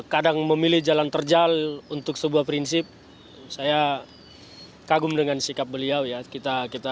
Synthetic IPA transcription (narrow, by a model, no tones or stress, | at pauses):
kadaŋməmilɪhd͡ʒalant̪ərd͡ʒalunt̪ʊk̚səbuahpɾinsɪp̚ | saja | kaɡʊmdəŋansikap̚bəliawjakit̪akit̪a